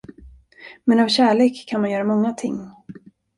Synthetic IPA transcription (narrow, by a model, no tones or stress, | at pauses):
mɛnavɕæːɭeːkʰːanmanjœːɾamɔŋːat̪ʰɪ̰ŋː